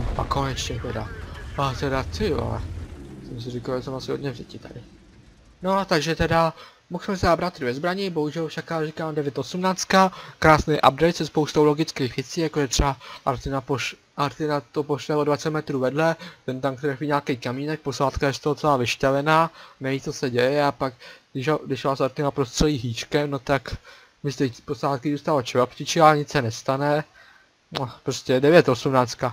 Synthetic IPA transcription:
ʔa̰ko̞nɛt͡ʃɲɛt̪ɛdaat̪ɛɾat̪ɪjua̰lɛ̰sɛms̬ɪrɪkalʒɛsɛmasɪɦod̪ɲɛvɟɛcɪt̪a̰dɪ | no̞at̪aɡʒɛt̪ɛda | moxsmɛsabɾat̪ɾuvɛzbɾaɲɪbo̞ɦuʒɛlfʃakarikaːmdɛvjɛt̪ʔosumnaːt͡st̪kakɾaːsnejʔa̰b̚dɛjt̪sɛspowst̪owlo̞ɡɪt͡skejxvjɛt͡siːjakoʒɛt̪r̥ɛbaʔaɾt̪ɪnapoʃ | ʔaɾt̪ɪnat̪opoʃlɛodvat͡sɛt̪mɛt̪ɾuːvɛdlɛt̪ɛnt̪aŋkt̪ɾɛxiɲaːkɛjkamiːnɛk̚po̞saːt̪̚kajɛst̪oɦ̪t͡sɛlaːvɪʃtavɛnaːnɛviːtt͡sosɛɟɛjɛapaɡɡdɪʃoɡdɪʃvaːsaɾt̪ɪnapɾost̪rɛliːɦiːt͡ʃkɛmnot̪ak | mɪst̪ɛposaːt̪kɪzuːst̪alot͡ʃɛvopcɪt͡ʃɪaɲɪt͡ssɛnɛst̪anɛ | nopɾoscɛdɛvjɛt̪ʔosumnaːt͡st̪ka

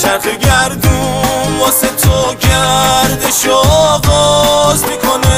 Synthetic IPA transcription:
ʃæɾxeɟæɾd̪ubɔset̪ʰoɟæɾd̪eʃoːɣɔzmikʰone

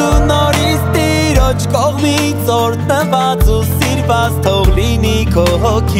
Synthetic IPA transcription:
unɔɾist̪i | ɾɔt͡ʃʰkɔʁmi | t͡sɔɾt̪nəvat͡susiɾvat͡st̪ʰɔʁlinikʰɔɦɔkʰi

